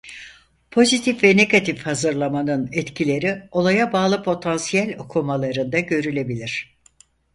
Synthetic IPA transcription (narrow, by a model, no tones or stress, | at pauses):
pʰo̞zit̪ʰifvɛne̞ɡat̪ʰifhazɯɾlˠamanɯnɛt̪cʰilʲe̞ɾio̞lˠajabaːlˠɯpʰo̞t̪ʰansijælʲo̞kʰumalˠaɾɯnd̪aɟø̞ɾylʲe̞bilʲiɾ̥